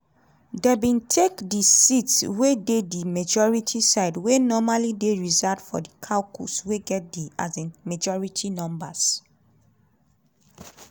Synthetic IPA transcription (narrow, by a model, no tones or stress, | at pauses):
debĩntʰekdisitswededimad͡ʒɔɹitʰisaɪdwenɔmalideɹizadfɔ̰dikʰalkʰṵsweɡɛt̚diazemad͡ʒɔɹitʰinɔ̃mbas